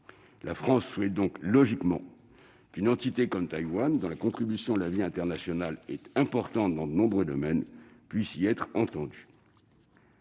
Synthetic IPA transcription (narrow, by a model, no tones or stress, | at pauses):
lʔafχɑ̃sːwɛt̪̚d̪ɔ̃klɔʒikmɑ̰̃ | kynɑ̃t̪it̪ekɔmt̪ajwand̪ɔ̃lakɔ̃t̪χibysjɔ̃d̪əlaviɛ̃t̪ɛʁnasjɔnalɛt̪ɛ̃pɔʁt̪ɑ̃t̪̚d̪ɑ̃d̪ənɔ̃bʁød̪ɔmɛnpɥisiɛt̪χɑ̃t̪ɑ̃d̪y